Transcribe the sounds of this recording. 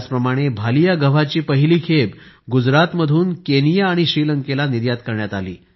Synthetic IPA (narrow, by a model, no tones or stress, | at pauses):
t͡spɾəmaɽ̃ebʱalijaɡəʋ̤at͡ɕiːpəɦiliːkʰeb | ɡud͡zɾat̪məd̪ʱuːnkenijaːɽ̃iɕɾiləŋkelaniɾjat̪kəɾɳjat̪alḭː